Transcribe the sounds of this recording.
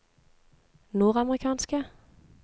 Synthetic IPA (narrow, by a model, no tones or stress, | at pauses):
nuːʁɑməʁɪkʰɑːnskə